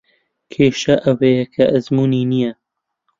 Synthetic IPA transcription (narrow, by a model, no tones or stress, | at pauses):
kʰeːʃɐʔɐwejɐkʰɐʔɐzmuːniːnijɐ